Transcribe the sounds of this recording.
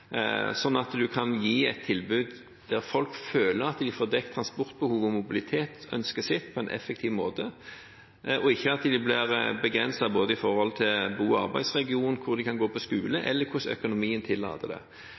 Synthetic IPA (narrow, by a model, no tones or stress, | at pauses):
sɔnːɑt̪d̪ʉkʰɑnjiːɛt̪ʰːɪlbʉːd̪ | d̪̥æɾfɔlkføːləɾɑt̪d̪ɪfoːɾd̪ɛk̚t̪ʰɾɑnspɔɾt̪̚bəhuːʋɔmʊbɪlɪt̪ʰeːt̪œ̰nskəsɪt̪ːpʰɔɛnʔɛ̰fːɛk̚t̪ʰɪʋmoːt̪ə | ʔɔɪçːəɑt̪d̪ɪblɪɾbəɡɾɛnsɑboːd̪əɪfɔɾhɔlt̪ʰɪlbuːɑ̰ɾbæɪsʁɛɡɪuːnnkʰʊɾd̪ɪkʰɑnɡoːpʰɔskʉːləʔɛ̰lːəɾkʰʊsœ̰kʊnʊmiːənt̪ʰɪlːɑ̰ːt̪əd̪ɛ̰